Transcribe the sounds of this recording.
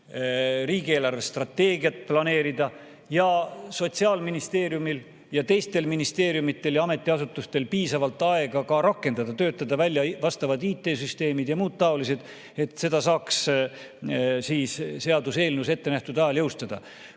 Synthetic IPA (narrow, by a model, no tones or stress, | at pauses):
riːɡ̥ie̞ːlɑrve̞st̪rɑt̪ːe̞ːɡiɑt̪̚ːˑplɑne̞ːɾid̪ɑ | jɑso̞t̪siɑːlminist̪e̞ːɾjumil | jɑt̪e̞jst̪e̞lminist̪e̞ːɾjumit̪ːˑe̞ljɑɑme̞t̪ːˑiɑsut̪ːˑust̪e̞lpiːsɑvɑlt̪ːˑɑe̞ɡ̥ɑkɑɾɑkːˑe̞nd̪̥ɑd̪̥ɑt̪øːt̪ːˑɑd̪̥ɑvælʲjɑvɑst̪ɑvɑd̪iːt̪ːˑe̞ːsyst̪e̞ːmid̪jɑmuːd̪̚t̪ɑolise̞d̪̥ | e̞t̪se̞d̪̥ɑsɑːks | siːsse̞ɑd̪use̞ːlnuse̞t̪ːe̞næht̪ud̪ɑjɑljɤwst̪ɑd̪ɑ̰